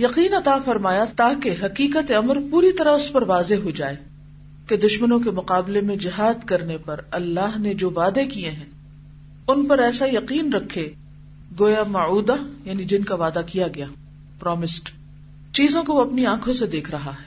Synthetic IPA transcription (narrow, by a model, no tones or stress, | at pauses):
jɐqiːnɐt̪afɐɾmaːjat̪aːkeɦɐqiːqət̪eɐməɾpuːɾit̪ɐɾəɦʊspɐɾʋaːzeɦod͡ʒaːeː | ked̪ʊʃmənõk̬emʊqaːblemẽd͡ʒɪɦaːd̪kɐɾnepɐɾɐlːaːɦned͡ʒoːʋaːd̪ekieɦɛ̃ː | ʊnpɐɾɛːsajɐqiːnɾɐkʰːe | ɡoːjamɐuːd̪ajaːnid͡ʒɪnkaʋaːd̪akijaɡɐjaː | pɾɔːmɪsʈ | t͡ʃiːzõkoɐpniãːkʰõsed̪eːkʰɾɐɦaɦɛː